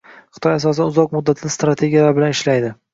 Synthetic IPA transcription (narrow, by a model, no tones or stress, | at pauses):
χɨ̥t̪ʰɒjasɒsɪd̪aʊzɒq̚mʊd̪ːat̪ʰɪnɪst̪ɾat̪ʰe̞ɡʲijalaɾbɪlanɪʃlajd̪ɪ